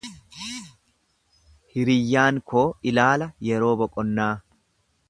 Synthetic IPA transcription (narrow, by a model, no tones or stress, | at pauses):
hɪɾɪjːaːŋkʰoːɪlaːlɐjɛɾo̞ːbɔkʼɔnːaː